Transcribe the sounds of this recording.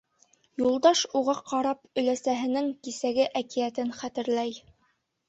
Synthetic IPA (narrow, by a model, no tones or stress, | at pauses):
julˠd̪ɑʃuʁɑqɑɾɑpɵ̆læsæɦɘ̆nɘŋkisæɡɘʔækijæt̪ɘnχæt̪ɘ̆ɾlæj